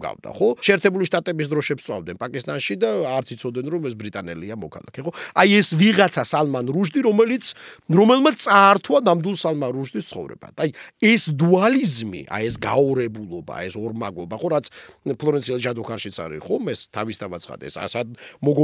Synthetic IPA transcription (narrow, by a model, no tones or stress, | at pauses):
ɡa̰vd̪a̰χɔʃɛːɾt̪ʰɛbuliʃt̪ʼat̪ʼɛbis̬d̪ɾɔʃɛpssʼwa̰vd̪ɛnpʼakʼist̪ʼanʃid̪aːɾt̪sʰit̪sʰɔd̪ɛnɾɔmɛs̬bɾit̪ʼanɛliamɔkʰa̰lˠa̰kʰɛχɔajɛsviʁat̪sʰasalˠmanɾuʃd̪iɾɔmɛlit̪sʰɾɔmɛlˠmaaːɾt̪ʰwanamd̪ilˠsalˠmanɾuʃd̪ist̪sʰχɔ̰vɾɛ̰ba̰t̪ʰajɛsd̪ualizmḭʔa̰ɛsɡaɔɾɛbulˠɔba̰ɛsɔɾmaɡɔbaχɔɾat̪sʰpʰlˠɔɾɛnt̪sʰiɛlˠʒad̪ɔkʰaɾʃit̪sʰa̰ɾḭχɔmɛst̪ʰavist̪ʰavat̪sʰχa̰d̪ɛ̰sa̰sad̪mɔɡɔ